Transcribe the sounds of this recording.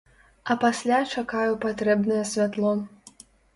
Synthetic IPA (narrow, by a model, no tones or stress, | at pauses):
ɐpasʲlʲat͡ʂakajupat̪ɾɛbnɐjɐsʲvʲat̪lˠɔ